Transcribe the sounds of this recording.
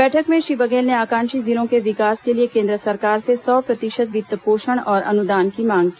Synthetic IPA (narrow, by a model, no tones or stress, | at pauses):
bɛːʈʰəkmẽʃɾiːbəɡeːlneaːkãːnʃiziɾõkeʋɪkaːskeliekẽːnd̪ɾəsɐɾkaːɾsesɔːpɾɐt̪ɪʃət̪ʋɪt̪ːəpoːʃəɽ̃ɔːɾɐ̰nʊd̪aːnkimãːŋɡkiː